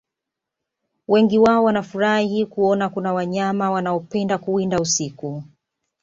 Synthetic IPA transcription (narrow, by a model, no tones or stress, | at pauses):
wɛŋɡiwaɔwanafuɾahikuɔnakunawaɲamawanaɔpɛndakuindausiku